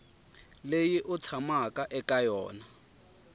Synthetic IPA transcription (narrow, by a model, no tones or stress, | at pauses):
lejɪʔʊt͡sʰamakʼaʔɛkʼajɔ̰ːna